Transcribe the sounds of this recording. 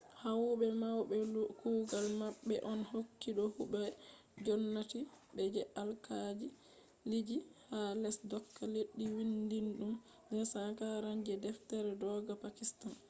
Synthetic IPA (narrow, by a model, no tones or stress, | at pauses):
hawɓɛmawɓɛkuːɡalmaɓːɛ̰ʔɔnhokːiɗɔhuɓɛ | d͡ʒɔnːatibɛd͡ʒɛʔalkad͡ʒi | lid͡ʒihalɛsdɔkːaleɗːiwindinɗum | dɛsakaɾand͡ʒɛdɛftɛɾɛdɔɡapakistan